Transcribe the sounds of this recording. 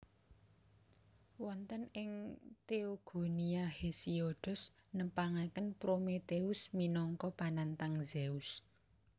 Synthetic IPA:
wɔnt̪ənɪŋt̪eoɡ̥o̤niahesioɖ̥ɔ̤s | nəpaŋakənpɾomet̪eʊsminɔŋkɔpanant̪aŋzeus

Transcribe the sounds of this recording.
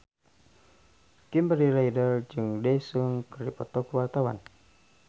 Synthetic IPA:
kimbəɾilaidərd͡ʒɨŋdɛsɨŋkərdipɔt̪ɔkwart̪awa̰n

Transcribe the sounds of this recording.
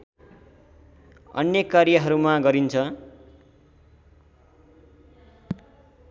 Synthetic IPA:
ʌ̰njʌkaɾjʌɦʌɾumaɡʌɾint͡sʰʌ

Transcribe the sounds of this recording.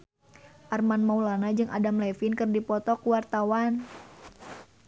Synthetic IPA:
ʔarmanmaulanad͡ʒɨŋʔadamlɛfinkɨrdipɔt̪ɔkuwart̪awan

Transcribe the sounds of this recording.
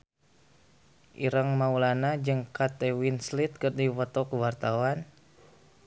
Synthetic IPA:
ʔiɾaŋmaulanad͡ʒɨŋkat̪ewinslit̪̚kərdiwɔt̪ɔkəwart̪awan

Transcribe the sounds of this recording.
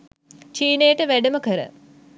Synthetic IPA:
t͡ʃiːnejəʈəʋæɖəməkəɾə̰

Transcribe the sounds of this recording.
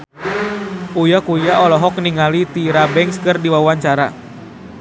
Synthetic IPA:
ujakujaʔɔlɔɦɔk̚niŋalit̪iɾabɛŋskɨrdiwawaɲt͡ʃaɾa̰

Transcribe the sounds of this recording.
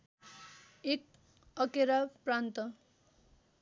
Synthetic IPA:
ek̚ | ʌkeɾaprant̪ʌ

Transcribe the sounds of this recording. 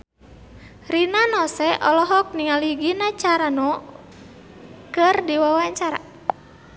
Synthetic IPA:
rinanɔsɛʔɔlɔɦɔk̚niŋaliɡinat͡ʃaɾanɔ | kɨrdiwawaɲt͡ʃaɾa̰

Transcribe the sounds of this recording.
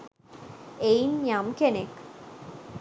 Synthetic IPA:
ejnjamkenek

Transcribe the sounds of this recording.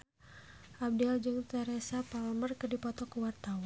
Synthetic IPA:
ʔab̚diald͡ʒɨŋt̪əɾɛsapalmərkədipɔt̪ɔkəwart̪awa

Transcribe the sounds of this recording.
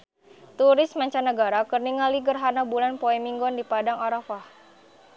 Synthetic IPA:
t̪uɾɪsmaɲt͡ʃanəɡaɾakərniŋaliɡərɦanabulanpɔɛmiŋɡɔndipadaŋɔɾafah

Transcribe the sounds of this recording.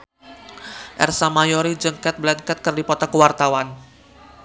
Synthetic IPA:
ʔɛ̰rsamajɔɾid͡ʒəŋkɛt̪̚blɛŋkɛt̪̚kərdipɔt̪akəwart̪awan

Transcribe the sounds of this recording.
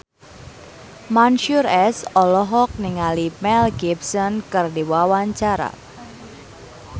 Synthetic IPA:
manʃuɾɛsɔlɔɦɔk̚niŋalimɛlɡibsɔnkɨrdiwawaɲt͡ʃaɾa̰

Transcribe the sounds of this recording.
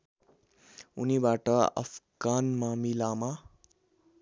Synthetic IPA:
unibaʈʌʌ̰pʰɡanmamilama

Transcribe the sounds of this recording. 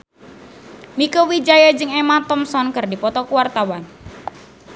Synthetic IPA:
mikowid͡ʒajad͡ʒɨŋemat̪ɔmsɔnkɨrdipɔt̪ɔkuwart̪awan

